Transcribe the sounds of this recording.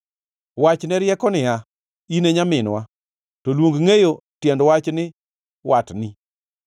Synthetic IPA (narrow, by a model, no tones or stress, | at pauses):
wat͡ʃnɛɾjɛkɔnɪa | ineɲamɪnwa | tolwoŋɡŋejo | tjɛndwat͡ʃnɪ | watni